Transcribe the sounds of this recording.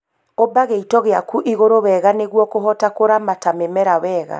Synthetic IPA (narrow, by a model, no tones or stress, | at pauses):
obaɣeitɔɣeakuʔiɣoɾowɛɣaneɣwɔkoɦɔtakoɾamatamemɛɾawɛɣa̰